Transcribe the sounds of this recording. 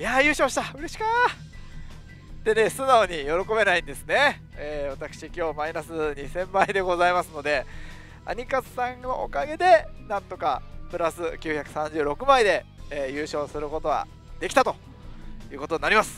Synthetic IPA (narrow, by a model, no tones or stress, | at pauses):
jajɯ̟ːɕo̞ːɕi̥t̪aɯ̟ɾe̞ɕi̥ka | d̪̥e̞ne̞sɨnaoɲ̟ijo̞ɾo̞ko̞be̞naĩnd̪e̞sɨne̞ | eːβat̪akɯ̟̥ɕikʲo̞ːmainasɨɲisẽ̞mːaid̪e̞ɡo̞zaimasɨno̞d̪e̞ | a̰ɲ̟ʲikasɨ̥sãŋno̞̰ʔo̰kaɡe̞d̪e̞nãnt̪o̞ka̰pɯ̟ɾasɨkʲɨːçakɯ̟sãɲ̟d͡ʑɨ̟ːɾo̞kɯ̟maid̪e̞ː | jɯ̟ːɕo̞ːsɨɾɯ̟ko̞t̪o̞ɡa̰ | d̪e̞kʲt̪at̪o̞ | jɯ̟ːkot̪o̞ɲinaɾimasɨ̥